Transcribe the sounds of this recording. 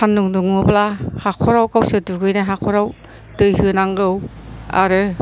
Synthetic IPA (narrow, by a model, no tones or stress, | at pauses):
anːuŋduŋɯplahakʰɔɾawkawsɯduɡɯjnaɦakʰɔɾaw | dɯjɦɯnaŋɡɯw | a̰ɾɯ